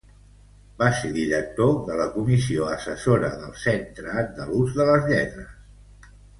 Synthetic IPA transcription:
baseðiɾək̚t̪oðələkumisioəsəsoɾəðəlˠsent̪ɾəːnd̪əluzðələzʎɛt̪ɾəs

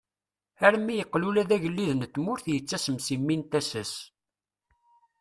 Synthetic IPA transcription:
æɾmːijəqːlulæðæʝəlːiðnt̪ːmʊɾθjət͡sːæsəmsimːint̪æsəs

